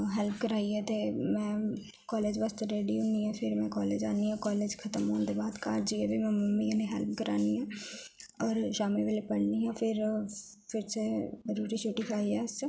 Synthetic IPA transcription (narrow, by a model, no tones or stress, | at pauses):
ɦɛːlp̚ʰkəɾaːiɦɛːt̪eːmɛ̃ː | kɔːleːd͡ʒʋəst̪ɾeːɖiːuːniːɛ̃ːpʰɪɾmɛ̃ːkɔːleːd͡ʒaːniːɦɛ̃ːkɔːleːd͡ʒkʰət̪əmɦoːnd̪eːbaːd̪kaːɾd͡ʒiɛːbʱiːmɛ̃ːməmːiãːnẽːɦɛlpʰkəɾaːniːɦɛ̃ː | ɔːɾd͡ʒaːmẽːʋeːleːpəɽniːɦɛ̃ːpʰɪɾ | pʰɪɾseəɾuːɾiːt͡ʃʰoʈiːkʰaːiɛːs